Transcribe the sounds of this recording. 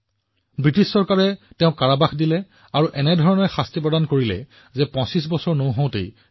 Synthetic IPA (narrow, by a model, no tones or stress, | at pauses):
bɹitissɔɹkaɹɛtɛ̃ʊ̃kaɹabaxdilɛ | aɹuʔɛnɛdʱɔɹɔnɔɹxastipɹɔdankoɹilɛ̰ | zɛpɔ̃sisbɔsɔɹnoʊɦõw̃tḛj